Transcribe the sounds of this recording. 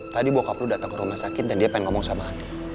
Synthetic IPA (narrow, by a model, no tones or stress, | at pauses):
t̪adibuakapludat̪aŋkəɾumahsakɪt̪̚dandiapainŋɔmɔŋsamaːdi